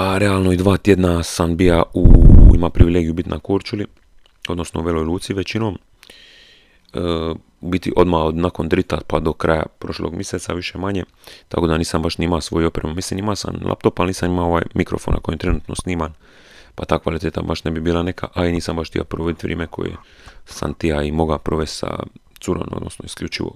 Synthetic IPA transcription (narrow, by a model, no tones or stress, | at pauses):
aɾealˠnoid̪ʋaːt̪jed̪nasambijauḭmapɾiʋileɡijubit̪nʔa̰koːɾt͡ʃuli | o̞d̪no̞sno̞uʋelojlˠuːt̪siʋe̞t͡ɕino̞ːm | ə | bit̪ḭʔo̞d̪maod̪nako̞nd̪ɾit̪apad̪o̞kɾaja̰pɾo̞ʃlo̰ɡmjeset̪saʋiʃe̞maɲe | t̪a̰kod̪aniːsambaʃniimasʋo̞juo̞pɾemumislinimasa̰nla̰p̚t̪opalniːsamimaoʋaːjmikɾo̞̰fona̰kojent̪ɾe̞nuːt̪nosniːman | pat̪aːkʋalit̪eːt̪a̰baʃne̞bibiːlˠane̞kʰa̰ʔainiːsambaʃt̪ḭa̰pɾoʋo̞d̪it̪ʋɾʲʔḛːmekʰo̞̰jḛ | sa̰nt̪iaimo̞ɡapɾoʋest̪sa̰t̪suɾo̰nod̪nosnoiskʎʲut͡ʃiʋo̰